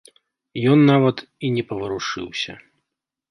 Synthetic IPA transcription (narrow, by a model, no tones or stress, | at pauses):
jɔnːavɐt̪ | inʲɛpɐvɨɾuʂɨ̰wsʲɐ̰